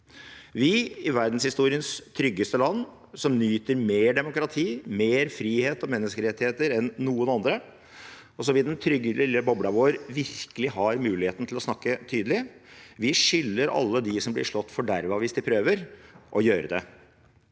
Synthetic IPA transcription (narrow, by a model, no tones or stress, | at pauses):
ʋɪɪʋæɾd̪n̩shɪst̪uːɾɪənst̪ʰɾʏɡːəst̪əlɑnː | sɔmnyːt̪əɾmeːɖɛmʊkɾɑt̪ʰiːmeːɾfɾiːheːt̪ɔmɛnːəskəɾɛt̪ːɪheːt̪əɾɛnːuːənɑnd̪ɾə | ɔs̬ɔʋɪd̪ɛnt̪ʰɾʏɡːəlɪlːəbɔbɽɑʋoːɾʋɪɾkəlɪɦɑɾmʉːlɪheːt̪n̩t̪ʰɪlɔsnɑkːət̪ʰyːd̪əlɪʋɪʂʏlːəɾɑ̰lːəd̪ɪsɔmblɪʂlɔt̪ːfɔɖæɾʋɑʋɪsd̪ɪpʰɾøːʋəɾʔɔjøːɾəd̪ɛ̰